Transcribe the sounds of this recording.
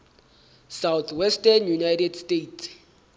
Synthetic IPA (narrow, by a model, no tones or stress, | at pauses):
sawt̪ʰwɛstanjunajtʰɛdstets